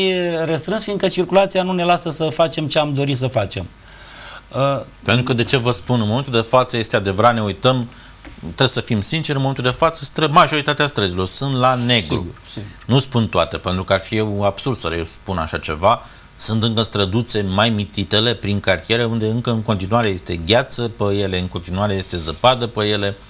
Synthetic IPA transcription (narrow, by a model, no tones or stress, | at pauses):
rəst̪ɾɨnsfind̪kət͡ʃirkulat̪sijanune̞lasəsəfat͡ʃe̞mt͡ʃeamd̪o̞ɾis̬əfat͡ʃem | ə | pent̪ɾukəd̪e̞t͡ʃe̞vəspunɨnmo̞menuld̪e̞fat̪səje̞st̪ead̪e̞vəɾat̪ne̞ujt̪əm | t̪ɾebsəfimsint͡ʃeɾɨnoment̪ld̪e̞fat̪səst̪ɾəmaʒo̞ɾit̪at̪east̪ɾəzilo̞rsɨnt̪lane̞ɡɾṵnuspunt̪oat̪e̞pe̞nt̪ɾukəarfije̞wab̥surd̪̥səɾespuna̰ʃat͡ʃe̞̰va | sɨnt̪ɨŋkəst̪ɾəd̪ut̪se̞majmit̪it̪e̞le̞pɾiŋkart̪ije̞ɾeund̪e̞ɨŋkəɨŋko̞nt̪inuaɾe̞je̞st̪e̞ɡʲat̪səpəje̞le̞ɨnŋko̞nt̪inuaɾeje̞st̪e̞zəpad̪əpəje̞le̞